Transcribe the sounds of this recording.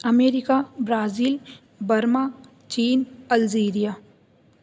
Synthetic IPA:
ɐmeːɾɪkabɾaːziːl | bɐɾma | t͡ʃiːnɐlziːɾija

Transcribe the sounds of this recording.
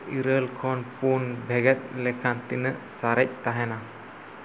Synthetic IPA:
iɾəlkʰɔnpunbʱɛɡɛt̪̚lɛkʰant̪inəʔsaɾɛc̚t̪aɦɛna

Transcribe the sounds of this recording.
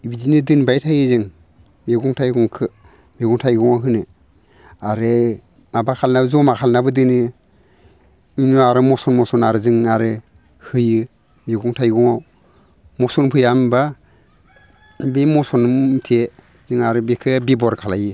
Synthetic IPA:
ibizinɯdɯnbajtʰajɯzɯŋ | meɡɔŋtʰajɡɔŋkʰɯ | meɡɔŋtʰajɡɔŋaɦɯnɯ | aɾɯ | mabakʰalnabɯzɔmakʰalnabɯdɯnɯ | inuaɾɯmɔsɔnmɔsɔnaɾɯzɯŋaɾɯ | hɯjɯ | meɡɔŋtʰajɡɔŋaw | mɔsɔnpʰɯjamba | bemɔsɔnmtʰe | zɯŋaɾɯbekʰɯbibɔɾkʰalajɯ

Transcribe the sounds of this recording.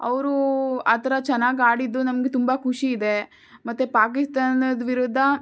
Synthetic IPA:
ɐ̰ʋɾuaːt̪ʰɐɾɐt͡ʃɛnːaːɡaːɽid̪ːunɐmɡet̪umbɐkʰuʂiːd̪e̞ | mɐt̪ːepaːk̬ist̪aːnɐd̪ʋiɾud̪ʱːɐ

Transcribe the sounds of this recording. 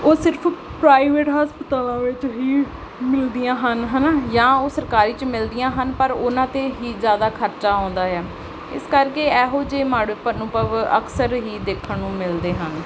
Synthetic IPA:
oːsɪɾpʰpɾaːiʋeːʈɦaːspət̪aːlãːʋɪt͡ʃɦiː | mɪld̪ijãːɦənɦənaːjãːoːsəɾkaːɾiːt͡ʃmɪld̪ijãːɦənpəɾʊnãːt̪eːɦiːzjaːd̪aːkʰəɾt͡ʃaːɔ̃ːnd̪aːɦɛː | ɪ̰skəɾkeːɛːɦoːd͡ʒeːmaːɽopənũːpəʋəksəɾɦiːd̪eːkʰːəɳũːmɪld̪eːɦən

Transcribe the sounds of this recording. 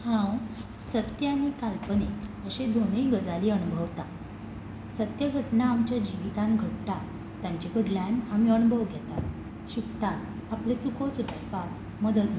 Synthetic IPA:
hãw | sət̪jəanikalpəneəɕed̪ʱonəiɡəd͡zaliənubʱəʋt̪a | sət̪jəɡʱəʈnaːmt͡ɕjad͡ʑiʋit̪ãnɡʱəʈʈ̪a | t̪jaɲt͡ɕikʰəɽljanamiənbʱəʋɡʱɛt̪at̪ | ɕikt̪at̪aplet͡sukosut̪pak | məd̪əd̪

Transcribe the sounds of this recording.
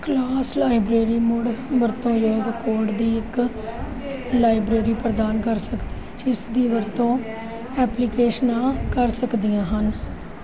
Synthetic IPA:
klaːslaːɪbɾeːɾiːmʊɽʋəɾt̪õːjoːɾkoːɾʈd̪iːɪk | laːɪbɾeːɾiːpɾəd̪aːnkəɾsəkd̪i | t͡ʃɪsd̪iːʋəɾt̪õː | ɛːpliːkeːʃənãːkəɾsəkd̪ijãːɦən

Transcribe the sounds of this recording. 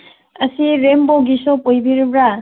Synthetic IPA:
ɐsiɾembɔɡisɔpojbiɾubɾa

